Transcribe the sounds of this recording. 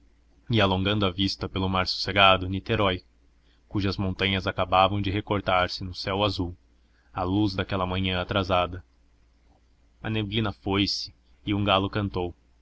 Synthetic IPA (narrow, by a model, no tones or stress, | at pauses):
ɪalõŋɡɐ̃nd̪ʊɐvist̪ɐpelʊmaɾsu̥seɡad̪ʊnit̪eɾɔj | kuʒɐzmõnt̪ɐ̃ɲɐzakabavɐ̃w̃d͡ʒɪɦekoɾt̪aɾsɪnʊsɛwazuw | aluzd̪akɛlɐmɐ̃ɲɐ̃at̪ɾazad̪ɐ | ɐneblĩnɐfojsɪ̥ː | ũɡalʊkɐ̃nt̪ow